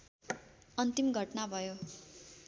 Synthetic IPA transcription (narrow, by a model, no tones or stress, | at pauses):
ʌnt̪imɡʱʌʈnabʱʌjo